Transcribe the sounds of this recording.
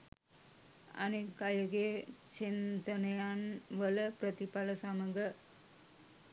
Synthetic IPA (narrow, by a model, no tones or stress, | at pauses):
a̰nekajuɡet͡ʃint̪ənəjanʋələpɾət̪ipaləsaməɡə